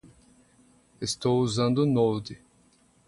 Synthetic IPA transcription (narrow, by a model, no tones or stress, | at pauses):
est̪owuzɐ̃nd̪ʊnowd̪ɪ